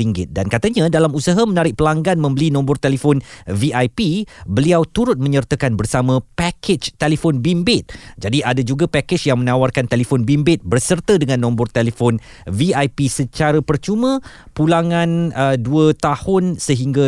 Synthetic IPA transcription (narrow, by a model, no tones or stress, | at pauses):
iŋɡɪt̪̚dankat̪aɲãdalamusaɦamə̃naɾɪk̚pəlaŋɡanmə̃mbəlinɔ̃mbɔrt̪elifɔnviʔajpibəliawt̪uɾʊt̪̚mə̃ɲərt̪əkanbərsamãpɛkʰet͡ʃt̪elifɔnbimbɪt̪̚d͡ʒadiadad͡ʒuɡapaked͡ʒjaŋmə̃nawarkant̪elifɔnbimbɪt̪̚bərsərt̪ədəŋãnːɔ̃mbʊrt̪elefɔn | viajpisət͡ʃaɾapərt͡ʃumə̃ | pulaŋãnəduət̪ahʊnsəɦiŋɡa